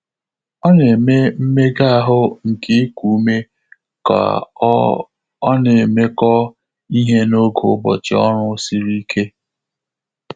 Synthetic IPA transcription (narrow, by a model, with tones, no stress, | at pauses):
ɔ˦ne˨me˦m̩˦me˦ɡa˦a˨ɦʊ˦ŋ̩˨ke˦kʷu˨˦me˦ | ka̰˨ | ɔ˦ne˨me˦kɔ˦ | i˦ɦe˦no˦ɡo˨˦bɔ̰˨t͡ʃɪ̰˨ɔ̰˦ɾʊ˦si˦ɾi˦kʰe˦